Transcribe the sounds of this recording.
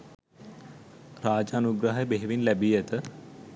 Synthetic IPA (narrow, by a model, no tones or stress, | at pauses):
ɾaːd͡ʒanuɡɾaɦəjəbeɦeʋinlæbijət̪ə